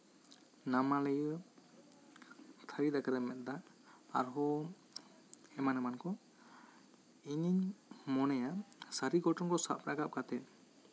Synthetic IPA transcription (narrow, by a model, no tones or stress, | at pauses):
namalɛj | t̪ʰaɾid̪aɡaɾɛmɛt̪̚ˀd̪a | a̰ɾɦɔ | ɛmanɛmankɔ | iɲiɲmɔnɛjasaɾiɡɔʈɔŋkɔsa̰pɾaɡap̚kat̪ɛ